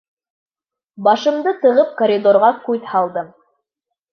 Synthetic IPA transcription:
bɑʃɤ̆md̪ɤt̪ɤ̆ʁɤp̚koɾʲid̪oɾʁɑkʉðhɑlˠd̪ɤm

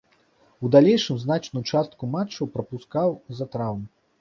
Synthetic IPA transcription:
ud̪alʲejʂɨmznat͡ʂnujut͡ʂast̪̚kumat͡ʂːɐwpɾɐpuskawzɐt̪ɾawmu

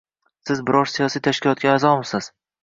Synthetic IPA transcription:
sɪzbɪɾɒɾsijɒsijt̪ʰaʃkʲɪlˠɒt̪̚ɡʲaːzɒmɪsɪz̥

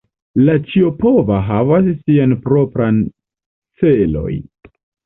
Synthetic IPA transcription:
lat͡ʃio̞povaɦavasːianpɾopɾan | t͡selo̞̰j

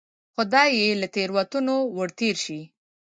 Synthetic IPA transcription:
xʊd̪ɑjelat̪eɾwat̪unowəɽt̪eɾʃi

